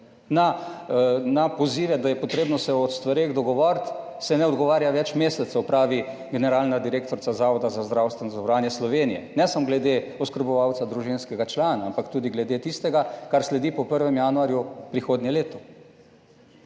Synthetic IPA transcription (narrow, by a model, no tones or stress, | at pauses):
na | napɔziːʋɛd̪ajɛpɔt̪ɾeːbnɔsɛɔt̪st̪ʋaɾeːɣd̪ɔɡɔʋɔɾt̪ | sɛnɛɔd̪ɡɔʋaːɾjaʋɛt͡ʃmeːsɛt̪sɛwpɾaːʋi | ɡɛnɛɾaːlnad̪iɾeːk̚t̪ɔɾt̪sazaːʋɔd̪azazd̪ɾawst̪ʋɛnɔzɔbɾaːnjɛslɔʋenijɛ̰nɛsamɔɡlɛd̪eɔskəɾbɔʋawt̪sad̪ɾuʒinskɛɡat͡ʃlaːnaampakt̪uːd̪iɡlɛd̪et̪ist̪ɛɡakaɾslɛd̪ipɔpəɾʋɛmjaːnuaɾjupɾixoːd̪njɛleːt̪ɔ